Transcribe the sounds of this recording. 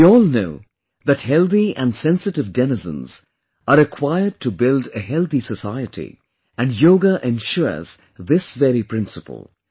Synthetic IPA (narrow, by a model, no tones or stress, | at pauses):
wiɔːlˠnoʊ | ðɨt̚hɛlˠθiæ̃nsɛ̃nsɨtɨvdɛnɨzə̰̃nz̥ | əɾɨkʰw̥aɪəd̚tʰəbɪlˠdɨɦɛlˠθisəsaɪɨtʰḭ | æ̃njoʊɡəʔɛ̃nʃɔz̥ | ðɪsvɛɾipʰɹ̥ɪ̃nsəpə̰l̩ˠ